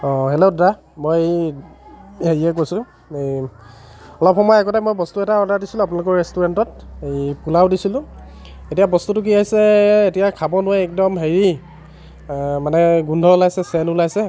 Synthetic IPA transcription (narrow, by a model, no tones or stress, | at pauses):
ɔ̃ɦeloda | moj | eɹiɛk̬ojsʊ̃ | ɔlɔpxɔmɔjɛkɔtajmojbɔstuɛtaɔdadisilʊ̃ap̬unalʊk̬ɔɹɹɛstuɹɛntɔtejpulawdisilʊ̃ | etijabɔstutʊk̬iaɦisɛetijakʰabɔnʊaɛk̚dɔmɦeɹi | manɛɡundʱɔlajsɛsɛnulajsɛ